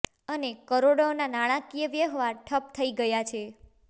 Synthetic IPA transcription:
ənekəɾoɽaonanaɽ̃ãkijəʋjəɦʋaʈʰəp̚t̪ʰəiɡəjat͡ʃʰe

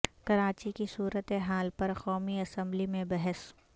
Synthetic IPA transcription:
kɐɾaːt͡ʃikisuːɾət̪eɦaːlpɐɾqɔːmiɐsə̃mblimẽbɐɦəs

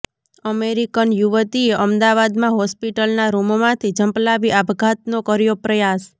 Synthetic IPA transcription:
əmeɾikənjuʋət̪ieʔəmd̪aʋad̪mãɦɔspiʈəlnaɾumomãt̪ʰid͡ʒəmplaʋiʔabɡʱat̪̚nokəɾjopɾəjas

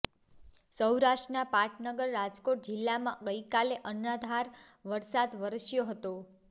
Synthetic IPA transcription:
səwɾaʃʈənapaʈʰnəɡəɾːad͡ʒkoʈ̚d͡ʒɪlːamã̰ɡəjkaleʔənad̪ʱaɾ | ʋəɾsad̪ʋəɾəsjoɦət̪o

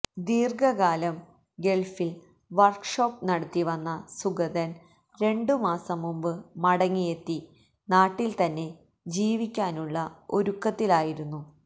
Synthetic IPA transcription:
d̪iːrɡɐɣaːlɐm | ɡe̞ɭfil | ʋɐrkʂoːpːnɐɽɐt̪ːiʋɐnːɐsuɡɐðɐn | ɾe̞ɳɖɨmaːsɐmːumbɨmɐɽɐŋːije̞t̪ːi | naːʈːilt̪ɐnːe̞ | d͡ʑiːʋikʲːaːnuɭːɐo̞ɾukːɐt̪ːilaːjiɾunːu

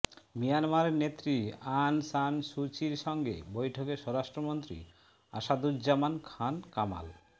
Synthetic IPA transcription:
mijanmaɾeɾnet̪ːɾiansanʃut͡ɕiɾʃɔŋɡḛbojʈʰokeʃɔɾaʃʈɾomont̪ɾḭ | a̰ʃad̪uɾd͡ʑamankʰankama̰l

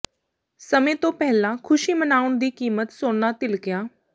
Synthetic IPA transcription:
səmẽːt̪õːpɛɦlãːkʰʊʃiːmənaːʊnd̪iːkiːmət̪soːnaːt̪ɪlkɪjaː

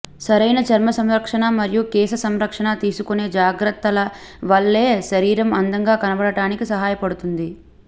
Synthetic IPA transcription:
sɐɾɐjnɐt͡ʃɐɾmɐsɐmɾɐkʂɐɳɐmɐɾjukɛːsɐsɐmɾɐkʂɐɳat̪iːsukune̞ːd͡ʒaːɡɾɐt̪ːɐlɐ | ʋɐɭːe̞ːʃɐɾiːɾɐmɐnd̪ɐŋɡaːkɐnɐbɐɽɐʈaːnikisɐɦaːjɐpɐɽut̪und̪i

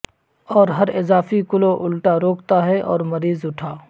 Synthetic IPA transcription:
ɔːɾɦɐɾɪzaːfikʊloʔʊlʈaɾoːkt̪aɦɛʔɔ̰ːɾmɐɾiːzʊʈʰaː

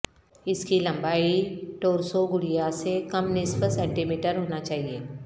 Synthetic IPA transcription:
ɪskilɐ̃mbaːiʈoːɾsoɡʊɽijasekɐmnɪspəsɛ̃ːɳʈimiːʈəɾɦoːnat͡ʃaːɦieː

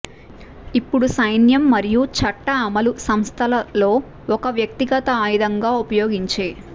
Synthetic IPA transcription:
ipːuɽusɐjnjɐmːɐɾijut͡ʃɐʈːɐːmɐlusɐmst̪ʰɐlɐlo̞ː | ɔkɐʋjɐk̚t̪iɡɐt̪ɐaːjid̪ɐŋɡaːupɐjoːɡiɲt͡ʃeː

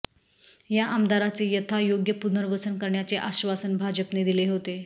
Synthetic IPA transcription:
jaʔəmd̪aɾat͡sejət̪ʰajoɡjəpunəɾʋəsənkəɾɳjat͡seʔaɕʋasənbʱad͡ʑəpned̪ileɦot̪e

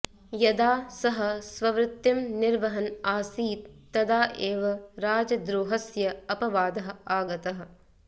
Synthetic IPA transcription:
jɐd̪aːsɐɦɐsʋɐʋɾɪt̪ːimnɪɾʋɐɦɐnaːsiːt̪ːɐd̪aːʔeːʋɐɾaːd͡ʒɐd̪ɾoːɦɐsjɐɐpɐʋaːd̪ɐɦɐaːɡɐt̪ɐɦɐ̆

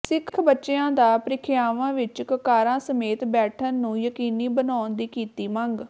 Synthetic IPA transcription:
sɪkʰkʰbətːʃeãːd̪aːpɾɪkʰɪjaːʋãːʋɪt͡ʃkəkaːɾãːsəmeːt̪bɛːʈʰənːũːjəkiːniːbənaːnd̪iːkiːt̪iːməŋɡ

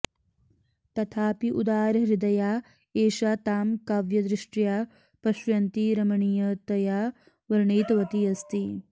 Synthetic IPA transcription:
t̪ɐt̪ʰaːpiʔud̪aːɾɾid̪ɐjaː | eːʃaːt̪aːmkaːʋjɐd̪ɾɪʂʈjaː | pɐʃʋɐnt̪iɾɐmɐɳijɐt̪ɐjaː | ʋɐɾɳeːt̪ɐʋɐt̪iɐst̪i

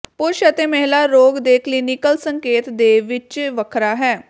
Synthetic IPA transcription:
pʊɾʃət̪eːmɛɦɪlaːɾoːɡd̪eːkliːnɪkəlsəŋkeːt̪d̪eːʋɪt͡ʃʋəkʰɾaːɦɛː

